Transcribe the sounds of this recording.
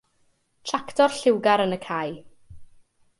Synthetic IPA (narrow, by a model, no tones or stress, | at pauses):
tʰraktɔrɬɪwɡaɾənəkʰaj